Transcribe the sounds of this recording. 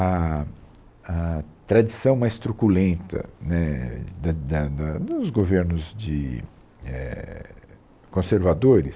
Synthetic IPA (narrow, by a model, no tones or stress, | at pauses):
ɐ | ɐt̪ɾad͡ʒisɐ̃w̃majst̪ɾukulẽnt̪ɐ̰nɛd̪ɐd̪ɐd̪ɐd̪ʊzɡoveɾnʊzd͡ʒɪ | ɛ̰ | kõseɾvad̪oɾɪs